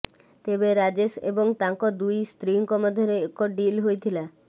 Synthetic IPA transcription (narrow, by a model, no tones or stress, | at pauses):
t̪ebeɾad͡ʑesḛboŋt̪aŋkod̪ujst̪ɾiŋkɔmod̪ʱoɾeekɔɖilɦojt̪ʰila